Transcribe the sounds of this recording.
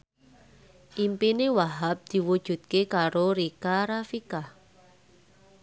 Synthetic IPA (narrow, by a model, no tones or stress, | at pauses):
ʔimpinewaɦap̚d̪̥i̤wud̥ʒ̥ṳt̪̚kekaɾoɾikaɾafikah